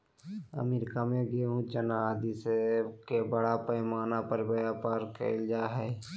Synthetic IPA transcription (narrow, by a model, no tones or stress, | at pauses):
ə̰mɪɾɪkamẽɡeɦũt͡ʃənad̪isebkebəɽapəɪmaːnapəɾbəjaːpaːɾkḛld͡ʒaːɦɛ